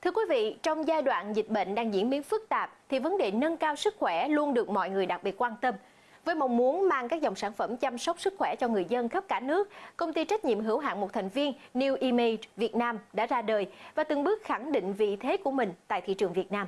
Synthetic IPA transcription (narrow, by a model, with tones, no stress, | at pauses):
t̪ʰɨ˧əkwi˨˦vḭ˧˨t͡ɕɔ˧wŋ͡mzaː˧jɗwa̰ː˧˨nzï˨˩t̚ɓə̰˧˨ŋ̟ɗaː˧ŋzḭ˧˥ənmi˨˦ənfɨ˦˥k̚t̪aː˨˩p̚t̪ʰi˨˩və˨˦nɗe˨˩nə˧nkaː˧wsɨ˦˥k̚xwɛ˧˩lu˧ənɗɨ˨˩ək̚mɔ̰˧˨jŋɨ˨˩əjɗa˨˩k̚ɓi˨˩ət̚kwaː˧nt̪ə˧m | vəː˨˦jma˨˩wŋ͡mmu˨˦ənmaː˧ŋkaː˦˥k̚zɔ˨˩wŋ͡msaː˧˩nfə˧˩mt͡ɕa˧msə˦˥wk͡p̚sɨ˦˥k̚xwɛ˧˩t͡ɕɔ˧ŋɨ˨˩əjzə˧nxə˦˥p̚kaː˧˩nɨ˦˥ək̚ːə˧wŋ͡mt̪i˧t͡ɕa˦˥k̟̚ɲḭ˧˨mɦɨ˧˩əwɦa̰ː˧˨nmo˨˩t̚t̪ʰa˨˩jŋ̟vi˧ənni˧wʔi˧me˧vi˨˩ət̚naː˧mɗa̰ː˧˥zaː˧ɗəː˨˩jvaː˨˩t̪ɨ˨˩ŋɓɨ˦˥ək̚xa˧˩ŋɗḭ̈˧˨ŋ̟vḭ˧˨t̪ʰe˨˦ku˧˩əmï˨˩ŋ̟t̪a̰ː˧˨jt̪ʰḭ˧˨t͡ɕɨ˨˩əŋvi˨˩ət̚naː˧m